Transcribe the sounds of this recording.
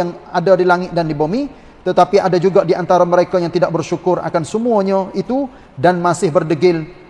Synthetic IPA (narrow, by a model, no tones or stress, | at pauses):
aŋadadilaŋɪt̪̚dandibomi | t̪ət̪apiʔadad͡ʒuɡadiant̪aɾaməɾekajaŋt̪idak̚bərʃukʊra̰kansəmuaɲait̪u | danmasɪhbərdəɡɪl